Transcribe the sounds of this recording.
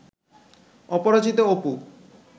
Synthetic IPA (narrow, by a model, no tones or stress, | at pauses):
ɔpɔɾat͡ʃit̪oopu